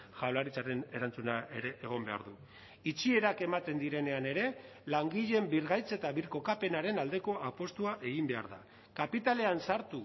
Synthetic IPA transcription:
ʝawlaɾit͡saɾe̞ne̞ɾant͡sunae̞ɾe̞ʔeɣ̞o̞mbe̞a̰ɾðu | it͡ʃie̞ɾake̞mat̪e̞nd̪iɾe̞ne̞ane̞ɾe̞ | laŋɡiʎe̞mbiɾɣajt͡set̪aβiɾko̞kape̞naɾe̞nald̪e̞ko̞apo̞st̪uaʔe̞ɣ̞imbe̞a̰ɾða̰ | kapit̪ale̞ansaɾt̪u

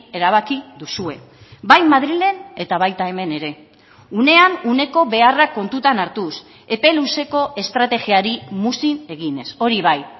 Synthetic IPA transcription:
e̞ɾaβ̞akiðusue̞ | bajmaðɾile̞ne̞t̪aβ̞ajt̪ae̞me̞ne̞ɾe̞ | une̞anune̞ko̞βe̞arakːo̞nt̪ut̪anaɾt̪us | e̞pe̞luse̞ko̞ʔe̞st̪ɾat̪e̞ɣiaɾimusine̞ɣine̞so̞ɾiβ̞aj

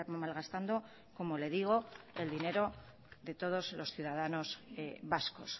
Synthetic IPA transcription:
ɾmalɣast̪and̪o̞ | ko̞mo̞le̞ðiɣ̞o̞e̞ld̪ine̞ɾo̞ | ðe̞t̪o̞ð̞o̞zlo̞sθjuðaðano̞zβasko̞s

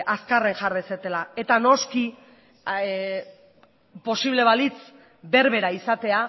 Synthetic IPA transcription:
askare̞ŋʝaɾeset̪e̞lae̞t̪ano̞ski | po̞siβ̞le̞βalit͡s | be̞ɾβe̞ɾaisat̪e̞a

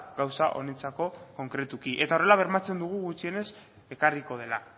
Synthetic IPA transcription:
ɡawsaʔo̞̰ne̞t͡sako̞ko̞ŋkɾe̞t̪ukiʔe̞t̪ao̞re̞laβ̞e̞ɾmat͡se̞nd̪uɣ̞uɣut͡ʃie̞ne̞s | e̞kariko̞ð̞e̞la

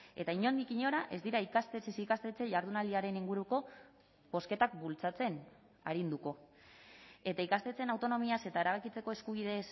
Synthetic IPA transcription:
e̞t̪aiɲo̞nd̪ikiɲo̞ɾaʔe̞zd̪iɾaikast̪et͡sesikast̪e̞t͡se̞ʝaɾð̞unald̪iaɾe̞niŋɡuɾuko̞ | bo̞ske̞t̪akbult͡sat͡se̞n | aɾind̪uko̞ | e̞t̪aikast̪e̞t͡se̞nawt̪o̞no̞miase̞t̪ae̞ɾaβakit͡se̞ko̞e̞skuβ̞ið̞e̞s

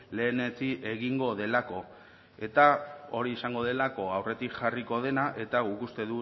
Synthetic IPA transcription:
le̞ːne̞t͡siʔe̞ɣiŋɡo̞ðe̞lako̞ | e̞t̪ao̞ɾiesaŋɡo̞ðe̞lako̞awre̞t̪ikʝariko̞ð̞e̞naʔe̞t̪aɣukust̪e̞ðu

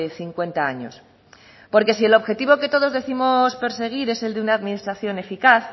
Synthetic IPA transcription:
eθiŋkwe̞nt̪aaɲo̞̰s | po̞ɾke̞s̬ielo̞βxe̞t̪iβo̞ket̪o̞ð̞o̞zðe̞θimo̞spe̞ɾse̞ɣ̞iɾe̞se̞ld̪eunaːðminist̪ɾaθjo̞ne̞fikaθ

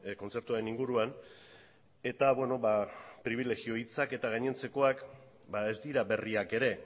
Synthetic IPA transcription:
ko̞nt͡se̞ɾt̪uaɾe̞niŋɡuɾuan | e̞t̪aβwe̞no̞bapɾiβ̞ile̞ɣio̞it͡sake̞t̪aɣ̞ajɲe̞nt͡se̞ko̞ak | bae̞zd̪iɾabe̞riake̞ɾe̞

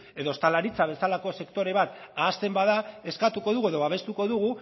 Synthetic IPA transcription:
e̞ðo̞st̪alaɾit͡saβ̞e̞salako̞se̞kt̪o̞ɾe̞βat̪aːst̪e̞mbaðae̞skat̪uko̞ðuɣue̞ðo̞βaβe̞st̪uko̞ðuɣ̞u

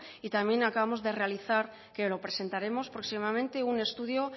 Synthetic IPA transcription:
it̪amje̞nakaβamo̞zðe̞re̞aliθaɾ | ke̞lo̞pɾe̞se̞nt̪aɾe̞mo̞spɾo̞ksimamẽnt̪e̞une̞st̪uðjo̞

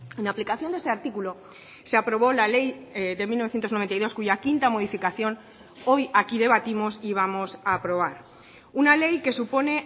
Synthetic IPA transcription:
ẽ̞naplikaθjond̪eseaɾt̪ikulo̞ | se̞apɾo̞β̞o̞lale̞jðe̞milnoθjent̪oznoent̪ajðo̞skuʝakint̪amo̞ð̞ifikaθjo̞n | o̞jakiðe̞βat̪imo̞siβ̞amo̞saːpɾo̞β̞aɾ | unale̞jke̞supo̞ne̞

